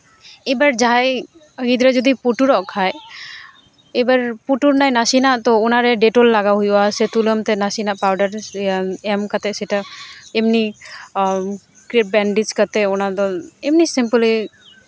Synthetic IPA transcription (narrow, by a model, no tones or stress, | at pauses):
ɛbaɾd͡ʒaj | ɡid̪ɾɔd͡ʒɔd̪ipuʈuɾɔʔkʰaj | ɛbaɾpuʈuɾnajnasinaʔt̪ɔɔnaɾɛɖɛʈɔlːaɡaɦujasɛt̪uləmt̪ɛnasinaʔpawɖaɾ | ɛmkat̪ɛsɛʈaemni | kɾeʈ̚bɛɳɖid͡ʒkat̪ɛɔnad̪ɔɛmnisimpuli